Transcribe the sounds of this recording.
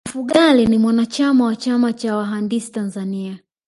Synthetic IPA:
m̩fuɠalinimwanat͡ʃamawat͡ʃamat͡ʃawaɦandisi̥tanzania

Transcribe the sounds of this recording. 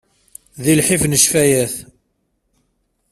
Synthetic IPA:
ðilħifnəʃfæjæθ

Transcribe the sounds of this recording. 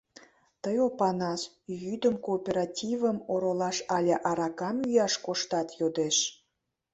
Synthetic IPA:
t̪əjopɑnɑʃ | jyd̪əmkoːpʲeɾɑtʲivəmoɾolɑʃɑlʲeʔɑɾɑkɑmyjɑʃkoʃt̪ɑt̪jod̪eʃ

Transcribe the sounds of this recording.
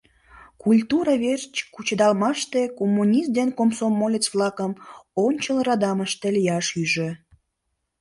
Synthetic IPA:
kulʲt̪uɾɑβert͡ɕkut͡ɕəd̪ɑlmɑʃt̪ekomːunʲist̪d̪enkomsomːolʲet͡sβlɑkəmonʲt͡ɕəlrɑd̪ɑməʃt̪elijɑʃyʒø

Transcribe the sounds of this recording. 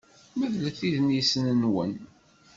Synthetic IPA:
məðlæθiðnisənənwən

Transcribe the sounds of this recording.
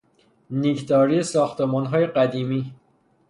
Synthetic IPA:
nikd̪ɒːɾiesɒːxt̪emɒːnɦɒːje̞ɢæd̪iːmiː

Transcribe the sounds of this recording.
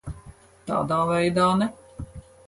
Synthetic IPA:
t̪a̰ːd̪aːvɛjd̪aːnɛ

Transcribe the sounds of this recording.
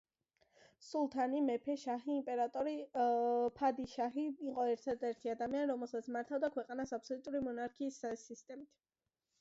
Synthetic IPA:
sulˠt̪ʰanimɛpʰɛʃaɦiːmpʼɛɾat̪ʼɔɾi | pʰad̪iʃaɦiːqʼɔɛɾt̪ʰad̪ɛɾt̪ʰiad̪amianiɾɔmɛlˠsat̪smaɾt̪ʰavd̪akʰwɛqʼanasap̚sɔlut̪ʼuɾimɔnaɾkʰiːssːist̪ʼɛmit̪ʰ

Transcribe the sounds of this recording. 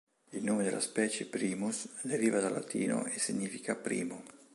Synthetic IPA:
ilnoːmed̪ḛlaspɛːt͡ʃepɾiːmusd̪eɾiːvad̪alat̪ʰḭːno̰esiɲːiːfikapɾḭːmo

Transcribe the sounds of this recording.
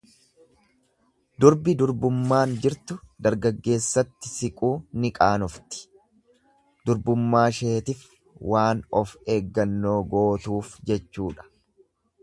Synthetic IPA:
d̪ʊɾbɪd̪ʊɾbʊmːaːnd͡ʒɪɾt̪ʊd̪ɐɾɡɐɡːe̞ːsːɐt̪ːɪsɪkʼuːnɪkʼaːnɔft̪ɪ̥ | d̪ʊɾbʊmːaːʃeːt̪ɪf | wʔaːnɔfe̞ːɡːɐnːo̞ːɡo̞ːt̪uːfd͡ʒɛt͡ʃːuːᶑɐ̥

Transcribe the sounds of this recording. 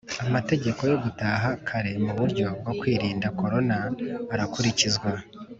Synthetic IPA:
amate̞ɟe̞ko̞jo̞ɡutaːɦakʰaɾe̞muβuɾɟo̞b̚ɡo̞kwiːɾiːndako̞ɾo̞naːɾakuɾicizɡwa

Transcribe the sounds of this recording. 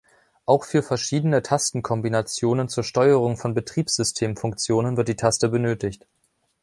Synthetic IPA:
ʔaʊxfyːɐfɛɐʃiːdənətʰastn̩kʰɔmbinat͡sjoːnənt͡suːɐʃtɔʏəʁʊŋfɔnbətʁ̥iːpsz̥ʏstʰeːmfʊŋk̚t͡sjoːnənvɪɐt̚d̥iːtʰastəbənøːtɪçt

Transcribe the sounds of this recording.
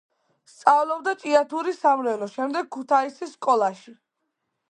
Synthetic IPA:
st̪sʼavlɔb̚d̪at͡ʃʼiat̪ʰuɾisamlɛlɔʃɛmd̪ɛɡ̚kʰːut̪ʰaisisːkʼɔlˠaʃi

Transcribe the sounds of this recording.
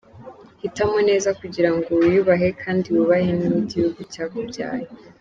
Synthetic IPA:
hitamone̞ːzakuɟiɾaŋɡojuβaɦe̞kʰaːndiwuβahenimiɟihuɡucaːβobɟa̰ːjo

